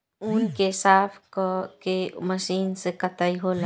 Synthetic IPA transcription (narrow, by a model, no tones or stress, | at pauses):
unkesafkɔkemaʃinsekat̪ajɦola